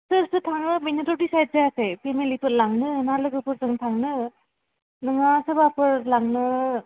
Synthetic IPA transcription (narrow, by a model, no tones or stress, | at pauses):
sɯɾsɯtʰaŋnɯminetodisajt̚zajasepʰemelipʰɯt̚laŋnɯnalɯɡɯpɯɾzɯŋtʰaŋnɯ | nɯŋasɯbapɯɾlaŋnɯ